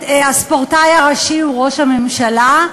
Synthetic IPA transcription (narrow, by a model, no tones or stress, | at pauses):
aspoʁtajaʁaʃiuʁo̞ʃhamemʃala